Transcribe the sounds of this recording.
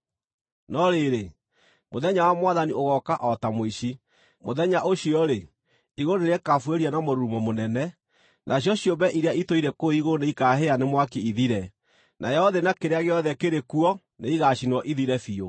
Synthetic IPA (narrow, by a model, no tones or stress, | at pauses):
nɔɾeɾe | moðɛɲawamwaðanioɣɔkaʔɔtamoiɕi | moðɛɲaʔoɕiɔɾe | iɣoneɾɛkafweɾianamoɾuɾumɔmonɛnɛ | nʔaɕjɔɕjombɛʔiɾeaitoiɾɛkoiɣoneikaːɦeanemwakeiðiɾɛ | nʔajɛɔðenakeɾeaɣeɔðɛkeɾekuɔ | neiɣaɕinwɔʔiðiɾɛfio